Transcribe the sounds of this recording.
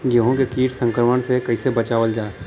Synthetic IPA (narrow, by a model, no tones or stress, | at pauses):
ɡeɦõkekiːʈsə̃ŋkɾəməɽ̃sekɐisebɐt͡ʃaːʋəld͡ʒaː